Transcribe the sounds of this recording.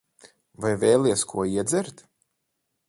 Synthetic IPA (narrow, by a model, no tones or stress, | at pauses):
vajvɛːlˠiɛskʰuɔiɛd̪zɛɾt̪